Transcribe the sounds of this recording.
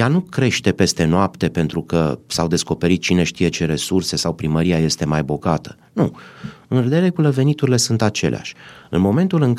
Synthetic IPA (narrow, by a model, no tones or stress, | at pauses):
janukɾe̞ʃt̪e̞pe̞st̪e̞noapt̪e̞pe̞nt̪ɾukəsawd̪e̞sko̞pe̞ɾit̪̚t͡ʃine̞ʃt̪ije̞t͡ʃe̞ɾe̞surse̞sawpɾiməɾijaje̞st̪e̞majbo̞ɡat̪ə̥ | nuɨnred̪eɾe̞kuləve̞nit̪uɾile̞sunt̪at͡ʃe̞̰lḛa̰ʃʲɨnmo̞me̞nt̪ulɨŋk